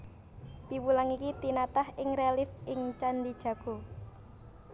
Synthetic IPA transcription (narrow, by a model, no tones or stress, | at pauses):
piwulaŋikit̪inat̪ahɪŋrealɪsɪŋt͡ʃand̪id̥ʒ̥ä̤ɡ̥o̤